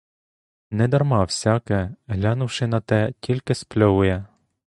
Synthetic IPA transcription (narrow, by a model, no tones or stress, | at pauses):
nɛd̪ɐrmɑwsʲɑkɛɦlʲɑnʊwʃɪnɐt̪ɛtʲʰilʲkɪsplʲɔɦʊjɛ